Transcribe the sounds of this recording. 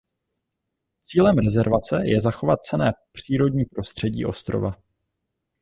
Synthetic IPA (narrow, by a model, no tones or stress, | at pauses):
t͡siːlɛmɾɛzɛɾvat͡sɛjɛzaxo̞vat̪̚t͡sɛnɛːpr̝̥iːɾo̞dɲiːpɾo̞st̪r̥ɛɟḭːʔo̞̰st̪ɾo̰va